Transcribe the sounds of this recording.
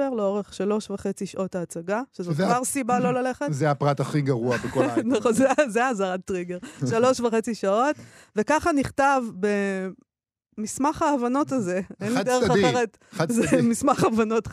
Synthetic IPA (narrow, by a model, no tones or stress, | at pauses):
eʁleo̞ʁeχʃalo̞ʃvaχet͡siʃaʔo̞taːt͡saɡaʃezovaʁsibalo̞laleχetzeapʁataχiɡɐʁuabekonozezeazaʁatʁiɡeʁʃalo̞ʃvaχe̞t͡siʃao̞t | vekaχaniχtavbe | mismaχaːvano̞tazeenlid̪eʁaeʁet | zemismaχavano̞t